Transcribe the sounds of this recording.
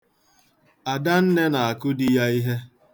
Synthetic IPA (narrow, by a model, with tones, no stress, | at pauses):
a˨da˦n̩˦ne˦na˨a˨kʊ˦di˦ja˦i˦ɦe˦